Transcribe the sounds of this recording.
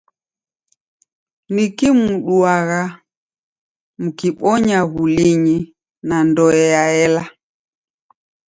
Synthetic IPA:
nikimuɗuaɣa | mukiɓɔɲaɣuliɲi | nandɔɛjaɛla

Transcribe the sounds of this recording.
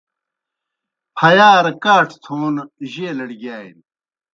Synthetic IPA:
pʰɐjaːɾkaːʈʰt̪ʰoːnʑeːlɐɽɡaːin

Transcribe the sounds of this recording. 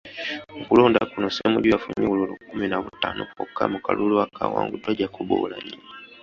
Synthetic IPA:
ŋkuloːndakunosemuɟwafuɲululukuminaβutaːnokokːa̰mukaluluakʰawa̰ːŋɡutoɟakuβo̰ːlaɲi

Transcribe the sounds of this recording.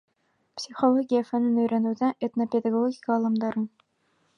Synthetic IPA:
psʲiχolˠoɡʲijafænɘnɵjɾænud̪æʔet̪nopʲed̪ɑɡˠoɡʲikɑːlˠɑmd̪ɑɾəɴ

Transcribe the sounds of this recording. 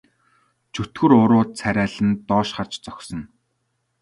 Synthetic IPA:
t͡ɕʰɵt̪ɡɵ̆ɾʊɾʊːt͡sʰæɾʲæːɮɘ̆nt̪ɔːʃχart͡ɕt͡sɔksɞ̆n

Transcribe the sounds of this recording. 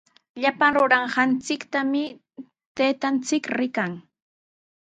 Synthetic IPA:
ʎapaŋɾʊɾɑɴɢɑnt͡sɪkt̪amɪ | t̪eːt̪ant͡sɪkɾɪkaŋ

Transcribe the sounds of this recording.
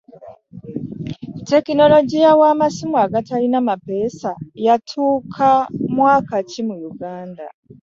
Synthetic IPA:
te̞kino̞lo̞ɟijawamasimuaɡatalinamape̞ːsajatʰuːkʰamwaːkacimujuɡaːnda

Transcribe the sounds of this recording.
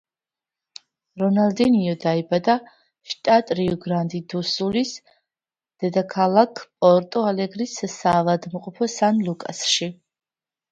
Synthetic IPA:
ɾɔnald̪ɛniɔd̪aibad̪a | ʃt̪ʼat̪ʼɾiɔɡɾand̪id̪usulis | d̪̥ɛd̪akʰalˠakʰpʼɔɾt̪ʼɔalɛɡɾissaːvad̪mqʼɔpʰɔsanlˠukʼa̰sʃi

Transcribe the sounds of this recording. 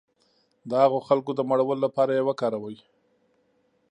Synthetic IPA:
d̪əhaɣoxalkod̪əmaɽawəlolapɑɾajewakɑɾawawi

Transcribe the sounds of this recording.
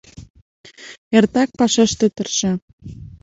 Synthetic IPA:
ert̪ɑk̚pɑʃeʃt̪ĕt̪ərʃĕ

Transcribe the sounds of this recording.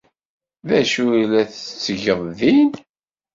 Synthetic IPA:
ðæʃuilæθt͡sːəʝəðˤðin

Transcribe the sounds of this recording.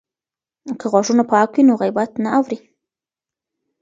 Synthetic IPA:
kəɣɑʂunapɑkwinoɣajbat̪naawɾi

